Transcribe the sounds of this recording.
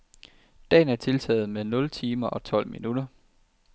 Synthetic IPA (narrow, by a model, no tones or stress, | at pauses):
d̥ɛ̰ːn̩æɐt͡sʰe̝lt͡sʰɛ̰ːð̩ˠmenɔ̽lt͡sʰiːmɐʔɒ̽t͡sʰɒ̽l̰mḭnud̥ɐ